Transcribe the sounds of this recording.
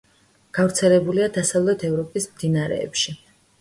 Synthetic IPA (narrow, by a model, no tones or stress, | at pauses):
ɡ̥avɾt̪sʰɛlɛbuliad̪asavlɛt̪ʰɛvɾɔpʼismd̪inaɾɛ̰ːpʃi